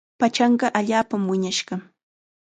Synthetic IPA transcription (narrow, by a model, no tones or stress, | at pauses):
pat͡ʃɑɴɢɑʔaʎaːpamwɪɲaʃɢɑ